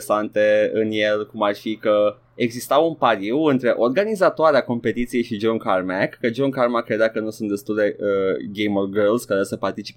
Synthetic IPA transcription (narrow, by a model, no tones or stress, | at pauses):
sant̪e̞ɨnjelkumarfikə | eɡzist̪awunpaɾiwɨnt̪ɾe̞ʔo̞rɡanizat̪oaɾeako̞mpe̞t̪it̪sije̞jʃid͡ʒonkarmɛkːəd͡ʒonkarmakːɾe̞d̪eakənusunt̪d̪est̪uld̪e̞əɡejmorɡərlskaɾeesəpart̪it͡ʃi̥pe